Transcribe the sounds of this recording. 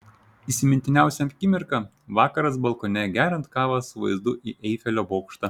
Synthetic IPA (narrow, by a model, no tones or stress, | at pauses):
iːsʲɪmʲɪnʲt̪ʲɪnʲæˑʊsʲɛmʲkʲɪmʲɪɾkɑ | ʋɑːkɐɾɐs̬bɐlˠkɔːnʲɛɡʲæːɾʲɛnt̪kɑːʋɐsʊʋɐ̰ɪzd̪ʊʔiːʔɛɪfʲɛlʲoːboːkʃt̪ɐ